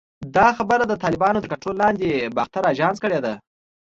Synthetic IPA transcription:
d̪ɑxabəɾad̪ət̪ɑlɪbɑnod̪əkaʈolɑnd̪ebaxt̪aɾaʒɑnskəɽed̪a

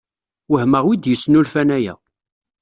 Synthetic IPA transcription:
wəhməʁwid̪jəsːnulfænæjæ̰

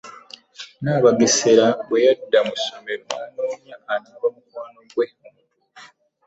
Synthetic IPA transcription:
naːβaɡeseɾaβwejadːamusomeɾomaːnoːɲaːnaβamukwaːnoɡwem

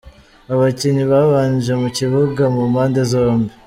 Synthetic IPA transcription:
aβaciɲiβaβaːnʒemuciβuɡamumaːndezoːmbe

